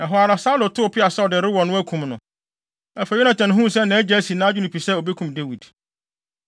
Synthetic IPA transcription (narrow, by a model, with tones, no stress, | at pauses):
ɛ˨ɦɔ˨a˨ɾa˨saː˦lʊ˨tʰʊ˦˨pʰɪ˦a˨sɛ˦ɔ˨dɪ˨ɾɪ˦wɔ˨nʊ̃˦æ˦kʰũ˨mnʊ̃˨ | ɛ˨fæ˨˦ɛ˦nã˨t͡ɕʰɛ˨nʊ̃˨ɦũ˦˨sɛ˦nã˨æ˦d͡ʑɛ˦æ˦si˨nãː˦d͡ʑᶣʊ˦nʊ̃˨pʰi˨sɛ˦o˨be˦kʰũ˨mde˦wi˨d